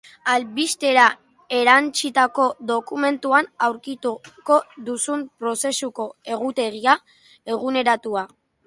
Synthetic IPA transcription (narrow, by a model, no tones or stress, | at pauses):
alβist̪e̞ɾa | e̞ɾant͡sit̪ako̞ðo̞kume̞nt̪uanawɾkit̪uko̞ðusumpɾo̞se̞suko̞e̞ɣ̞ut̪e̞ɣia | e̞ɣ̞une̞ɾat̪ua